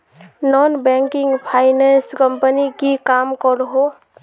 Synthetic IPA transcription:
nɔnbɛ̃ŋkɪŋɡpʰaɪnɛnskəmpənikikaːmkɔɾɦo

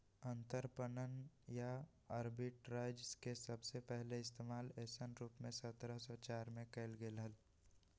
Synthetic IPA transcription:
ə̃nt̪əɾpənən | ja | əɾbɪʈɾaːɪd͡ʒskesəbsepɛɦleɪst̪eːmaːleːsənɾuːpmẽsət̪ɾəsɔt͡ʃaːɾmẽkeɪlɡeːlɦəl

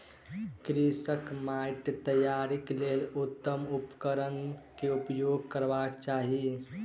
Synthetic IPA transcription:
kɾisəkmajʈt̪əjaɾiklelut̪ːəmupkəɾənkeupjoɡ̚kəɾbakt͡ʃaɦi

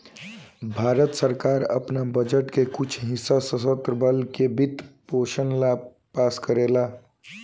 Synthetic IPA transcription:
bʱaɾət̪səɾkaɾə̰pnabəd͡ʒəʈkekut͡ʃʰɦisːasəsət̪ɾəbəlkebʱit̪poʃənla | paskəɾela

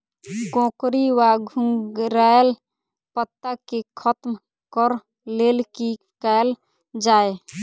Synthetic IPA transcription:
ɡõkɾiwaɡʱũŋɾael | pət̪ːakekʰət̪m | kəɾ | lelki | kal | d͡ʒae

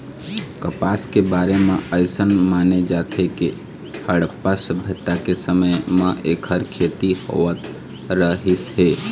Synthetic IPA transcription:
kəpaːskebaːɾemẽəɪsənmaːned͡ʒaːt̪ʰeke | həɽpasəbʱət̪ːakesəməjmãʔeːkʰhəɾkʰeːt̪iho̰ːʋət̪ | ɾəɦisɦeː

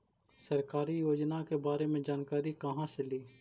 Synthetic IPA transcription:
sɐɾkaːɾijoːd͡ʒnakebaːɾemẽd͡ʒaːnkaːɾikɐɦãseliː

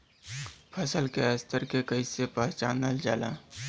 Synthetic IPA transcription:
pʰəsəlkeəst̪əɾkekəisepəɦt͡ʃaːnəld͡ʒaːla̰ː

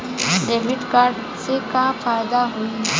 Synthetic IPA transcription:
ɖeːʋɪɖkaːɾɖ | sekafaːɪd̪aɦui

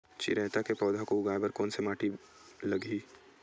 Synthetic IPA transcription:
t͡ʃḭɾɛːt̪akepɔːd̪ʱakoʊɡaːebɐɾkoːnsemaːʈi | lɐɡiː

